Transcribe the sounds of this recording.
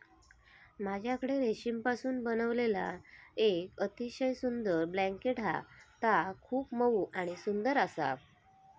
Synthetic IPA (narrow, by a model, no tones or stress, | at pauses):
mad͡ʑʱjakəɽeɾeɕimpasuːnbənəʋlela̰ekət̪iɕəjsund̪əɾblæ̃ŋkeʈa̰t̪akʰuːpməuːʔaɽ̃isund̪əɾasa̰